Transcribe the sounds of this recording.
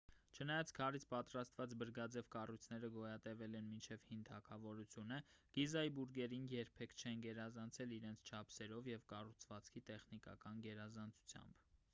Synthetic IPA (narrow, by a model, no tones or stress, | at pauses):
t͡ʃʰənɑjɑt͡skʰɑrit͡sʰpɑt̪ɾɑst̪vɑt͡sbəɾɡɑd͡zɛvkɑrujt͡sʰnɛɾəɡɔjɑt̪ɛvɛlɛnmint͡ʃʰɛvhint̪ʰɑkʰɑvɔɾut͡sʰjunəɡ̥izɑjibuɾɡɛɾinjɛɾpʰɛkʰt͡ʃʰɛnɡɛɾɑzɑnt͡sʰɛliɾɛnt͡sʰt͡ʃʰɑpʰsɛɾɔvjɛvkɑrut͡sʰvɑt͡skʰit̪ɛχnikɑ̰kɑnɡɛɾɑzɑnt͡sʰu̥t͡sʰjɑ̰mb